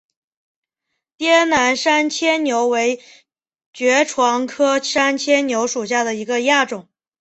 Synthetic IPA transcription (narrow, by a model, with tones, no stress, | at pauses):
t̪jɛ˥na˧˥nʂa˥nt͡ɕʰjɛ˥njo˧˥ʊwe˧˥ɪ | t͡ɕɥɛ˧˥ʈ͡ʂʰwɑ˧˥ŋkʰɤ˥ʂa˥nt͡ɕʰjɛ˥njo˧˥ʊʂu˨˩ɕ̬ja˥˩d̪ə˩i˧˥ɡə˧ja˥˩ʈ͡ʂʊ˨˩˦ŋ